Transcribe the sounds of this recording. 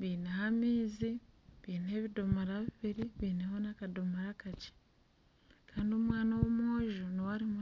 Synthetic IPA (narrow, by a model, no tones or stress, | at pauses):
βiːnehamiːziβiːne̞βido̞moɾaβiβiɾiβiːneho̞nakado̞moɾakat͡ʃe̥ | kʰaːndiomwaːnawomoːʒoniwaɾimu